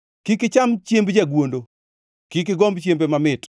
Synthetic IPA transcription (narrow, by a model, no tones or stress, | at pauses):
kikɪt͡ʃamt͡ʃjembd͡ʒaɡwondo | kik̬ɪɡombt͡ʃjembemamɪt